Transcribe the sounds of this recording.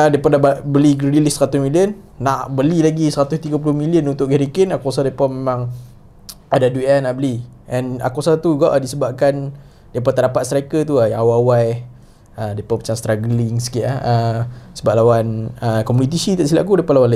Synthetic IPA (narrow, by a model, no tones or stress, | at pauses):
ədajpadababəliɡɾilisəɾat̪ʊsmiliənː | aʔbəlilaɡisəɾat̪ʊst̪iɡapulʊhmiliənunt̪ʊʔɡɛɾikənakɔsadajpɔmemãŋ | adaduɛnaʔbəliʔɛna̰kosat̪uɡaʔdisəbap̚kan | dajp̬at̪aɾapat̪̚st̪ɾakət̪uajawwaj | ədajpɔpat͡ʃaŋst̪ɾaɡəlɪŋsə̥kiʔahəsəbaʔ̚lawanəkɔmunit̪̬isit̪aʔsilaʔkudajpaʔlawanla